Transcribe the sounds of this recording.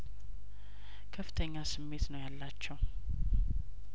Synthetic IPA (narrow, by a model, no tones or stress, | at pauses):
kʰəfːɨ̥t̪ʰəɲːasɨmːe̞t̪nəwjalːat͡ʃːɛw